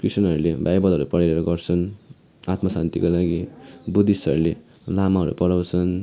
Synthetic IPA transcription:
krisʌnɦʌɾulebajbʌlʌɾupʌɽaɾeɾʌɡʌrt͡sʰʌn | at̪mʌsant̪ikolaɡibud̪isʌɾule | lamaɦʌɾṵpʌɽawt͡sʰʌn

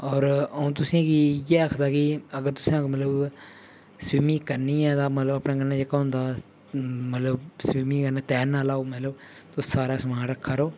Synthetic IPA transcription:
ɔːɾũːt̪ʊsĩːɡijɛːəkʰd̪aːkɪəɡəɾt̪ʊsãːmət̪ləb | sʋiːmiːkəɾniːãːd̪aːmət̪ləbəpnãːɡənːãːd͡ʒəkaɦʊ̃nd̪aː | mət̪ləbswiːmĩːkənaːt̪ɛːnaːlaːoːmət̪ləb | t̪oːsaːɾaːsəmaːnɾəkʰːaːɾoː

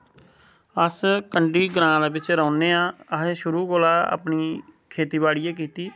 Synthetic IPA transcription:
əskəɳɖiːɡɾãːd̪eːbɪt͡ʃɾɔːneːãːəɦeːʃʊɾuːkoːlaːa̰ːpɳiːkʰeːt̪iːbaːɽɪjeːk̬iːt̪iː

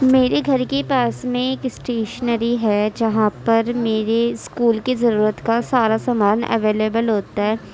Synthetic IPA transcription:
meːɾeɡʱɐɾkepaːsmẽeːkɪsʈeːʃənəɾiɦɛd͡ʒɐɦãppɐɾmeːɾeskuːlkizɐɾuːɾət̪kasaːɾasaːmaːnɐ̰ʋeːleːbəlɦoːt̪aɦɛː

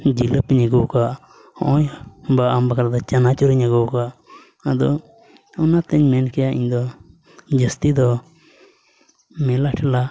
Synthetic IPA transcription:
d͡ʒiləpiɲəɡɔwka | ɔjbaambakaɾd̪ɔt͡ʃanat͡ʃɔɾiɲəɡɔwka | əd̪ɔ | ɔnat̪əɲmɛnkɛjaḭɲd̪ɔ | d͡ʒəst̪id̪ɔ | mɛlaʈʰɛla

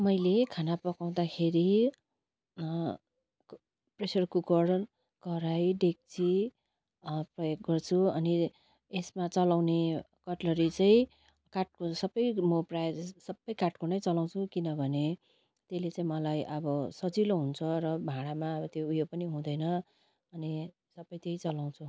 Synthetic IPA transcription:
mʌjlekʰanapʌkaw̃d̪akʰeɾi | presʌrkukʌɽ | kʌɾajɖek̚t͡sʰi | prʌjoɡ̚ɡʌrt͡sʰuʌni | esmat͡sʌlawne | kʌʈlʌɾit͡saĩ | kaʈ̚kosʌbʌjmʌprajsʌbːʌjkaʈkonʌjt͡sʌlaw̃t͡sʰukinʌbʱʌne | t̪elet͡saĩmʌlajʔʌbʌsʌd͡ziloɦunt͡sʰʌrʌbʱãɽamaʌbʌt̪joujopʌniɦũd̪ʌjnʌ | ʌni | sʌbːʌjt̪jeit͡sʌlaw̃t͡sʰu

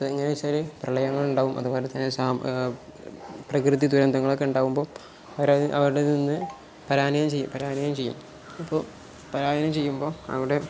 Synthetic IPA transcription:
pːeŋːɐnet͡ɕɐliprɐɭɐjɐŋːɐɭuɳɖaːʋumʔɐ̰ðuboːlet̪ːɐnːesaːm | prɐkrɨðid̪uɾɐnd̪ʱɐŋːɐɭoːkːeuɳɖaːʋumbo̞ː | ɐʋɐɾɐʔɐ̰ʋɐɾuɽeninːɨ | pɐɾaːnɐjɐmt͡ɕejːṵpɐɾaːnɐjɐmt͡ɕe̞jːṵm | ɐpːoː | pɐɾaːjɐnɐmt͡ɕe̞jːumbo̞ːɐ̰ʋiɽe̞

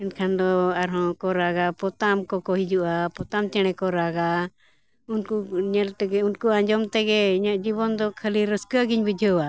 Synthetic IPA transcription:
ɛnkʰand̪ɔaɾɦɔ̃kɔɾaɡapɔt̪amkɔkɔɦid͡ʒuʔapɔt̪amt͡ʃɛɽ̃ɛkɔɾaɡa | unkuɲɛlt̪ɛɡɛunkuãɲd͡ʒɔmt̪ɛɡɛiɲaʔd͡ʒibɔnd̪ɔkʰəliɾəskuaɡiɲbid͡ʒʱəwa

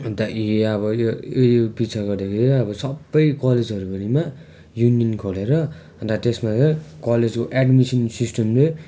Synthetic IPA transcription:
d̪aiʌbʌojopit͡sʰaɡʌrd̪akʰeɾiʌbʌsʌbːʌjkʌled͡zʌɾupʌnima | junijʌnkʰoleɾʌ | d̪at̪esmat͡sʌkʌled͡zkoʔeɖmisʌnsisʈʌmle

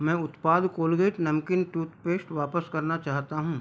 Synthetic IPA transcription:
mɛ̃ːʊt̪paːd̪koːlɡeːʈnɐmkɪnʈuːt̪peːsʈʋaːpəskɐɾnat͡ʃaːɦt̪aɦũː

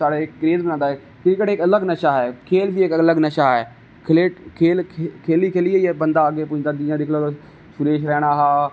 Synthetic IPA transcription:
saːɽeːɾeːət̪̚bənãːnd̪aɦɛː | kɾɪkəʈekɐləɡnəʃaɦɛːkʰeːlbʱiɪkələɡnɐʃaɦɛː | kʰɪleːʈkʰeːlkʰkʰeːlikʰeːlieiɛːbə̃nd̪aəɡepʊɪ̃ad̪ĩːãd̪ɪkʰlot̪ː | ʃʊɾeːʃɾɛːɽ̃aɦaː

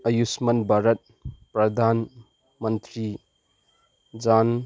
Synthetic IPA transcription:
ɐjusmɐnbʱaɾət̪̚ | pɾɐd̪ʱan | mənt̪ɾi | d͡ʒan

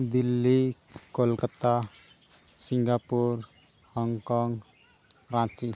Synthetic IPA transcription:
d̪ilːi | kolkət̪a | siŋɡapuɾ | hɔŋkɔŋ | ɾãt͡ʃi

